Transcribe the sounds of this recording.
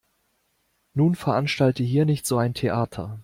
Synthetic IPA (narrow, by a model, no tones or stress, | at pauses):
nuːnfɛɐʔanʃtaltəɦiːɐnɪçtz̥oːaɪntʰeʔaːtʰɐ̰